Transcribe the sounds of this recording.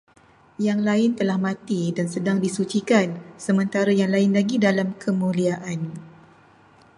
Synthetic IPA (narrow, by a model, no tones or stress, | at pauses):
jaŋlaɪnt̪əlahmãt̪idansədaŋdisut͡ʃikansəmə̃nt̪aɾajaŋlaɪnlaɡidalamkʰəmũliaʔan